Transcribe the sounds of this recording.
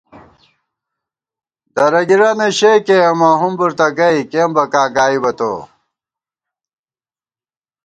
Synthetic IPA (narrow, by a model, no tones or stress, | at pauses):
d̪ɐɾɐɡiɾɐneɕekeɐmaːɦumbuɾt̪ɐɡɐikembɐkaːɡaːibɐt̪o̰